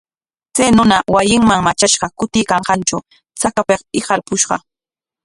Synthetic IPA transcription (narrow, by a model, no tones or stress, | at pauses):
t͡sajnʊnawajɪŋmaŋmat͡ʃaʃɢɑkʊt̪ɪjkɑɴɢɑnt͡ʃaw | t͡sakapeqɪɢɑɾpʊʃɢɑ̰